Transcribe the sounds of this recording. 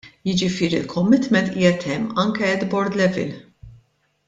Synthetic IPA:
jɪd͡ʒɪfɪːɾḭlkʰɔmːɪt̪mɛnt̪iːjɛt̪ʰɛmːɐŋkɛɛd̪bɔɾd̪lɛvɪ̰l

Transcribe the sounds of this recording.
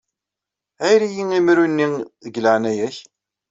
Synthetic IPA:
æjɾijiŋimɾunːiðəɡləʕnæjæç

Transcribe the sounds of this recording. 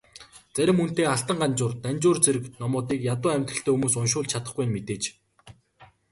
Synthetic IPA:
t͡sæɾʲɪ̆mːɵn̥t̪eːaɬt̪ə̆ɴɢant͡ɕʊːrt̪ænʲt͡ɕʊːrt͡seɾɘ̆knɔmʊːt̪iːkjat̪ʊːæmʲt̪rə̆ɬt̪eːxumuːsʊnʃʊːɮt͡ɕʰat̪ə̆χɡujɪ̆nmet̪eːt͡ɕ

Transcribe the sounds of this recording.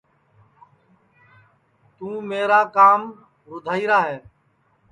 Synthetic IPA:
t̪ũːmeːɾaːkaːm | ɾʊd̪ʱaːiːɾaːɦɛː

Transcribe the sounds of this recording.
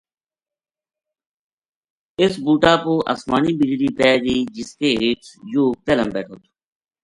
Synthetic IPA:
ɪsbuːʈaːpoːʔə̰sma̰ːniːbɪd͡ʒɾiːpɛːɡəiːd͡ʒɪskeːɦeːʈsjoːt̪eːləmbɛːʈʰoːt̪ʰo̥

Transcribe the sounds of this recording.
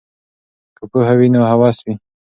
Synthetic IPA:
kəpuɦawinohawɑswi

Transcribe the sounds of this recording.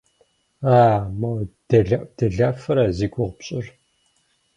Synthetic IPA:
aːmɐd̥ɐɮad̥ɐɮaːfɨɾɐziɡʷʊʁpɕʼɪr

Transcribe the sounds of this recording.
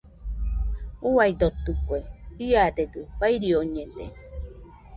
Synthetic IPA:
uajd̪ot̪ukueiad̪ed̪ɨbajɾioɲẽd̪ḛ

